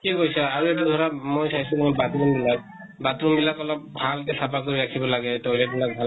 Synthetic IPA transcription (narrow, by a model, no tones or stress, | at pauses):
kikojsaaɹuet̬ud̪ʱɔɹamojsajsukimɔbatɹunbilak̚ | batɹunbilakɔlɔp̚bʱalkɛsʰapak̚doiɹakʰibɔlaɡɛtolɛbilak̚bʱa